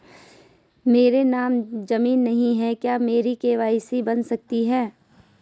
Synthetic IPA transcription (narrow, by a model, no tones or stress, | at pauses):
meːɾenaːmd͡ʒɐmiːnːɐɦĩɦɛkjaːmeːɾikeːʋaːisebɐnsɐk̚t̪iɦɛː